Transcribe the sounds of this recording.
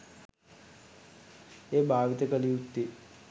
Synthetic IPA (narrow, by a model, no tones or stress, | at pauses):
eːbʱaːʋit̪əkəliut̪ːi